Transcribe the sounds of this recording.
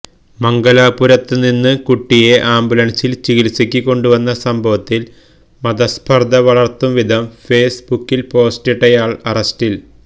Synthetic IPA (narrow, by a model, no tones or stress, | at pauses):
mɐŋɡɐlaːpuɾɐt̪ːɨninːɨkuʈːije̞ʔaːmbulɐnsilt͡ɕiɣilsikʲːikːo̞ɳɖuʋɐnːɐsɐmbʱɐʋɐt̪ːil | mɐd̪ɐspʰɐrd̪ʱɐʋɐɭɐrt̪ːumʋid̪ʱɐmfe̞ːsbukːilpo̞ːsteʈːɐjaːɭɐrɐstil